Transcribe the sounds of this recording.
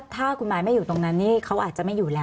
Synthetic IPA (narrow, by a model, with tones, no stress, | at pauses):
t̪ʰaː˥˩kʰu˧nmaː˧jma˥˩juː˨˩t̪o˧ŋna˦˥nːiː˥˩kʰa˦˥wʔaː˨˩t̪̚t͡ɕa˨˩ʔma˥˩juː˨˩lɛː˦˥